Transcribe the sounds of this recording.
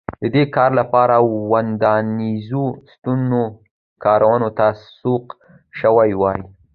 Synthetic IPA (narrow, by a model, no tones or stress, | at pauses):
d̪̥əd̪ekɑɾlapɑɾawand̪ɑnizust̪unzo | kɑɾʔawanot̪asoq | ʃəwajwɑji